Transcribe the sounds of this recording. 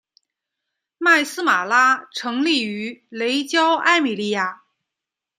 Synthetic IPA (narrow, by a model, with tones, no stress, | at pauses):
ma˥˩ɪsɹ̩˥ma˨˩la˥ʈ͡ʂʰɤ˧˥ŋli˥˩y˧˥le˧˥ɪt͡ɕjɑ˥ʊʔa˥˧ɪmi˨˩li˥˧ja˥˩